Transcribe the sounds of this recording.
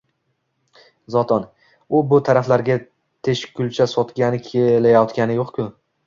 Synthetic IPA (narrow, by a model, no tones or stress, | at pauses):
zɒt̪ʰɒn | ʊbʊt̪ʰaɾaflaɾɡʲa | t̪ʰe̞ʃkʲʰʊlt͡ʃʰasɒt̪ɡʲanɪkʲʰelajɒt̪kʲanɪjoqkʲʰʊ